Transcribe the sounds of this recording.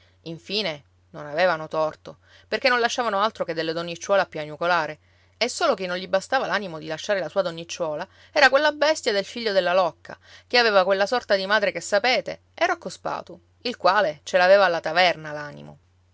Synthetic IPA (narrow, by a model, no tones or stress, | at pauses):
iɱfiːne | nonaveːvanot̪ɔrt̪o | perkenõnlaʃːaːvanoalt̪ɾoked̪ːelːed̪onːit͡ʃːwɔːlapjuanukolaːɾe | esːoːlok̟inːõnʎibast̪aːvalanimod̪ilaʃːaːɾelasuːad̪onːit͡ʃːwɔːla | ɛːɾakwelːabɛst̪jad̪elfiʎːod̪elːalɔkːa̰ | keaveːvakwelːasɔrt̪ad̪imaːd̪ɾekesːapeːt̪ḛ | ɛrɾokːospa̰ːt̪o | ilkwaːlet͡ʃelaveːvaːlːat̪avɛrnalaːnḭmo̰